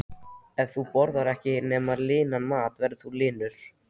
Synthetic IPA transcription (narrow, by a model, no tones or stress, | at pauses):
ɛvθupɔɾðaɾɛhcɪnɛːmaɾlɪːnanmaːt̪vɛɾðɪθulɪːnʏɾ̥